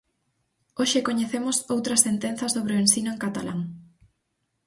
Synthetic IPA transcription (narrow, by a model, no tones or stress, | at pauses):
oʃekoɲeθemʊsowt̪ɾɐsθent̪en̟θɐsoβ̞ɾeoensinʊeŋkat̪ala̰ŋ